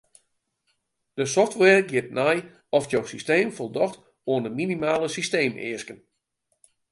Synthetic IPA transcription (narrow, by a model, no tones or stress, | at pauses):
d̥əsɔftʋɛrɡɪət̚nɛj | ɔfjowsisteːmfɔlˠdɔxt | oənəminimaːləsisteːmɪ̰əskən